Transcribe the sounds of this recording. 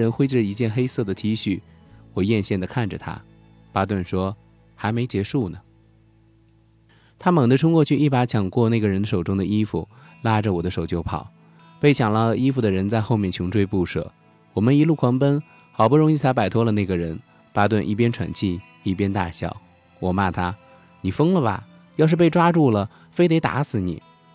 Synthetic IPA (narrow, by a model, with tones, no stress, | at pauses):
ɻə˧˥nxwe˥ɪʈ͡ʂ̩˥˩i˧˥t͡ɕjɛ˥˩nxe˥ɪsɤ˥˩d̪ə˩t̪ʰi˧˥ɕy˥˩wɔ˨˩jɛ˥˧nɕjɛ˥˩nd̪ə˩kʰa˥˩nʈ͡ʂə˨˩t̪ʰa̰˥ | pa˥t̪wə˥˩nʂwɔ˥ | xa˧˥ɪme˧˥ɪt͡ɕjɛ˧˥ʂu˥˩nə˩ | t̪ʰa˥mɤ˨˩ŋd̪ə˦ʈ͡ʂʰʊ˥ŋkwɔ˥˧t͡ɕʰy˥˧ʔi˥˩pa˧˥t͡ɕʰjɑ˨˩ŋkwɔ˥˧na˥˩ɡə˩ɻə˧˥nd̪ə˨ʂo˨˩ʊʈ͡ʂʊ˥ŋd̪ə˨i˥fu˩ | la˥ʈ͡ʂə˨wɔ˨˩d̪ə˦ʂo˨˩ʊt͡ɕjo˥ʊpʰɑ̰˨˩˦ | pe˥˩ɪt͡ɕʰjɑ˨˩ŋlə˧i˥fu˨˩d̪ə˩ɻə˧˥nt͡sa˥˧ɪxo˥˧mjɛ˥˩nt͡ɕʰjʊ˧˥ŋʈ͡ʂʰwe˥˧ɪpu˥˩ʂɤ̰˨˩ | wɔ˨˩mə˦ni˧˥lu˥˩kʰwɑ˧˥ŋpə˥n | xɑ˨˩ʊbu˥ɻʊ˧˥ŋi˥˩t͡s̪ʰa˧˥ɪpa˨˩ɪt̪ʰwɔ˥lə˨˧na˥˩ɡə˩ɻə˧˥n | pa˥t̪wa˥˧nʔi˥˩pjɛ˥nʈ͡ʂʰwa̰˨˩nt͡ɕʰi˥˧ | i˥˩pjɛ˥nt̪a̰˥˧ɕjɑ̰˥˩ʊ | wɔ˨˩ma˥˩t̪ʰa˥ | ni˨˩fɤ˥ŋlə˨bɐ̰˨˩ | jɑ˥˧ʊʂɻ̩˥˧pe˥˩ɪʈ͡ʂwa˥ʈ͡ʂu˥˩lə˩ | fe˥ɪt̪e˧˥ɪt̪a̰˧˥sɹ̩˨˩nḭ˨˩˦